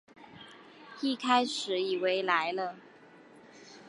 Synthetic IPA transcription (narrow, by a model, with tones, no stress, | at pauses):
i˥˩kʰa˥ɪʂɻ̩˨˥i˨˩we˧˥ɪla˧˦˥ɪlə˧